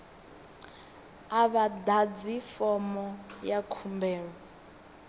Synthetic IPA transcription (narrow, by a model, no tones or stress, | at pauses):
aβadad͡zifɔmɔjakʰumbɛːɺɔ